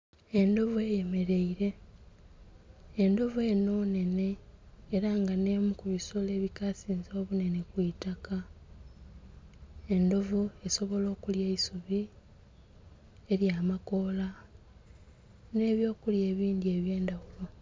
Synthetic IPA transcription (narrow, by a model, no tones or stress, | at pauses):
e̞ndo̞vue̞ːje̞me̞ɾe̞iɾe̞ | ndo̞vueno̞ːne̞ne̞ːɾaŋɡane̞mukuβisole̞ːβikasiːnzo̞ːβune̞ne̞kwitaka | e̞ndo̞vue̞so̞βo̞lo̞ːkulje̞isuβi | e̞ɾjaːmako̞la | ne̞ːβjo̞ːkulje̞ːβiːndie̞ːβje̞ːndawulo̞